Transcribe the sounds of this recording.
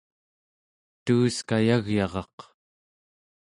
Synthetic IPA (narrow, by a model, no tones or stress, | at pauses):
t̪uːskajaɣjɑʁɑq